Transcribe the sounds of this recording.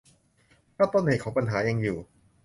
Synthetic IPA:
pʰɾa˥˩t̪o˧˥˨nheː˨˩t̪̚kʰɔː˩˦˥pa˧nɦaː˩˦ja˧ŋjuː˨˩

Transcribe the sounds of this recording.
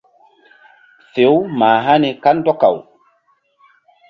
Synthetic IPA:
fe˨˦wmaː˨ɦa˦ni˨ka˦ndɔ˦ka̰˨w

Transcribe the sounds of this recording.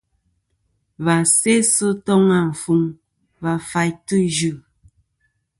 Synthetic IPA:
βa˨se˦sə˦tɔ˦ŋa˨m̩˨fu˨ŋ | va˨fa˨jtu˦d͡ʒʉ˨

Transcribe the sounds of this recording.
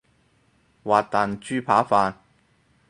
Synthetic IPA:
waː˨t̚t̪aː˨nt͡ʃyː˥pʰaː˨˥faː˧n

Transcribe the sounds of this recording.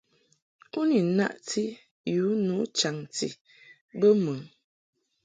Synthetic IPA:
u˦ni˨na̰˦ʔtʰi˦ | ju˨˦nu˨˦t͡ʃa˨ŋtḭ˨ | bə˦mə˨

